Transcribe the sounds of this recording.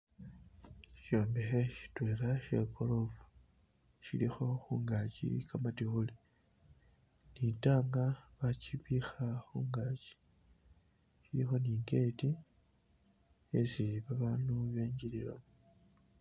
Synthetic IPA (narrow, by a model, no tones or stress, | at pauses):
ʃo̞ːmbexeʃi̥tweːɾaʃe̞ko̞lo̞vu | ʃḭlixo̞xuːŋɡaːcḭkamatixuli | nitaːŋɡaβaciβixaxuːŋɡaci̥ | ʃilixo̞niːŋɡe̞ti | ḛsiiβaβaːnuβe̞ːɲɟilila̰mu